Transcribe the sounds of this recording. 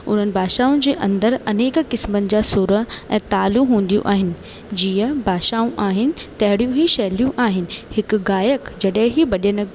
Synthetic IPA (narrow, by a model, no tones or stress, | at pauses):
ʊ̰n̤ənɪ̆bʱaːʃaːʊ̃nd͡ʑeːʔɐ̃nd̪əɾɐneːkkɪsmənɪ̆d͡ʑasʊɾəɛ̃ːt̪aːluɦũːn̆d̪ijṵ̃ʔaːɦɪnɪ̆ | d͡ʑiːəbʱaːʃaːũʔaːɦɪnɪ̆t̪ɐɦɪɽijũɦiʃɐɦlijũʔaːɦɪnɪ̆hɪkɡaːjəkd͡ʑɐɗɦɪ̃ɦibɐɗənə